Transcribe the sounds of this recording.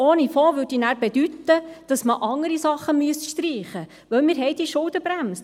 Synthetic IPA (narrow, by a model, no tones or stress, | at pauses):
oːnifoːʋøɾd̥inæːɾbɛdyt̪ːəd̥ɑsməʔɑŋəɾisɑχːəmyəsʃtriːχə | ʋœwmɪːɾɦɛɪdiʃʊld̪əbɾæms